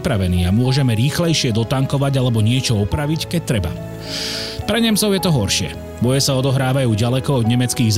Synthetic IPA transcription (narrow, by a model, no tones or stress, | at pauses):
pɾaʋɛniːamʊɔʒɛmɛɾiːxlɛjʃɪɛd̪ɔt̪aŋkɔʋaɟalɛbɔɲɪɛt͡ʃɔɔpɾaʋickɛc̚t̪ɾɛba̰ | pɾɛɲɛmt͡sɔʊjɛt̪ɔɦɔɾʃɪɛ̰ | bɔjɛsaɔd̪ɔɦɾaːʋajuːɟalɛkɔɔd̪ɲɛmɛt͡skiːɣz